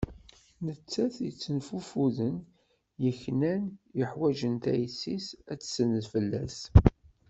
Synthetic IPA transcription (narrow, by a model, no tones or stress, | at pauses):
nət͡sːæθjət͡sːənfufuðən | jəçnænjəħwæʒənt̪æ̰jsːisæt͡sːsənəðfəlːæs